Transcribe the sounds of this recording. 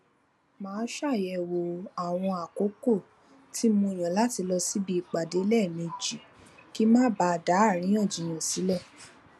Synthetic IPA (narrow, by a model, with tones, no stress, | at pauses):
mãː˨˦ʃa˦˨jɛ˧wo˨a˨w̃ɔ̃˧a˨ko˨˦ko˦˨ | ti˦mũ˧i˨j̃ã˨la˦ti˧lɔ˧si˦bi˧˦i˨k͡pa˨de˨˦lɛ˦˨mẽ˧d͡ʒi˨ | ki˦mãː˦ba˧da˨˦a˦˨ɾ̃ĩ˨˦ɔ̃˦˨d͡ʒi˨j̃ɔ̃˨si˨˦lɛ˦˨